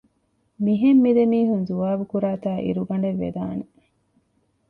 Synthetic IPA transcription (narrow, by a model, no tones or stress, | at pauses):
miɦemːid̪emiːɦunzuʋaːbukuɾaːt̪aːʔḭɾuɡɐɳ̆ɖeʋːḛd̪aːne